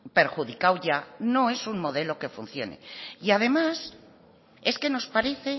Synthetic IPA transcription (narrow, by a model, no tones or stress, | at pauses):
pe̞ɾxuðikawʝano̞e̞suŋmo̞ð̞e̞lo̞ke̞fun̟θjo̞nḛiað̞e̞mas | e̞ske̞no̞spaɾe̞θe̞